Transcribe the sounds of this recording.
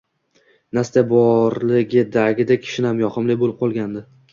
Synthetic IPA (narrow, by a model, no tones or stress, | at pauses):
nast̪abɒɾlɪɡʲɪd̪aɡʲɪd̪akʲʰɪ̥ʃɪnɪhamjɒχɨmlɪjbolɪp̚qʰɒlˠɡʲand̪ɪ